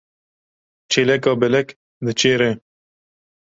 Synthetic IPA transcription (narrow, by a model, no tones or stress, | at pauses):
t͡ʃʰeːlɛkɑːbɛlɛk | d̪ɨt͡ʃʰeːɾɛ